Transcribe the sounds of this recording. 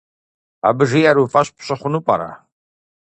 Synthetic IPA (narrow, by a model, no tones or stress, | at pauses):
a̰bɨʒijaɾufʼaɕpʰɕɐχʷʊnupʼa̰ɾa̰